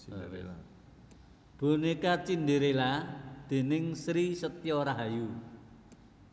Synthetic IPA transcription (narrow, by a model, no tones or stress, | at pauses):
b̥o̤nikat͡ʃind̪eɾelad̪̥e̤nɪŋsɾisət̪jɔɾaɦaju